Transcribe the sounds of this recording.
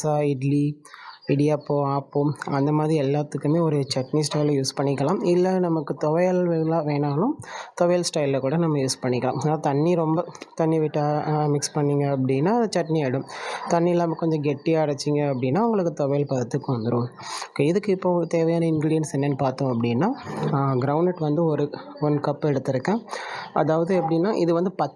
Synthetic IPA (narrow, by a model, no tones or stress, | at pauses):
saːɪɖli | ɪɽɪjaːpːoːaːpːoːɐnd̪ɐmaːðɾiɛlːaːt̪ːɯkːɯmeːɔɾɯt͡ʃɐʈnisʈɐɪljuːspɐɳːɪkːɐlãːmɪlːɐnɐmɐkːɯt̪ɔʋɐjɐlʋeːlaːʋeːnaːlʊ̃mt̪ɔʋɐjlsʈɐɪlːɐkuːɽɐnɐmːɐjuːspɐɳːɪkːɐla̰ːmɐnaːt̪ɐɳːiɾɔmbɐt̪ɐnːiʋɪʈːamɪkspɐɳːiŋɡɐːpːɐɽɪnːaːɐt͡ʃɐʈniaːɽɯ̃mt̪ɐnːiɛlːaːmɐkɔɲd͡ʒɐ̃ɡɛʈːɪjaːɪɽɐt͡ʃːɪŋɡɐːpːɐɽɪnːaːʊŋɡɐɭɯkːɯt̪ɔʋɐjlpɐðɐt̪ːɯkːʊʋɐnd̪ɯɾõːɪðɯkːɯɪpːoːt̪eːʋɐjaːnɐɪnɡɾiːɖɪjɐnsɛnːɐnːɯpaːɾt̪õːɐpːɐɽɪnːaːɡɾɐʊɳɖɐʈʋɐnd̪ɯɔɾɯ | ɔnkɐpːɛɽɯt̪ːɪɾɯkːẽːʔɐ̰ðaːʋɐðɯɛpːɐɽɪnːaːʔɪðɯʋɐnd̪ɯpɐ